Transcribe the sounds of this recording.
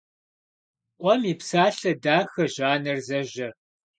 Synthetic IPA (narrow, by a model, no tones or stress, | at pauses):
ʔʷɔmiːpsaːɬɐdaːxɐʑaːnɐrzɐʑɐ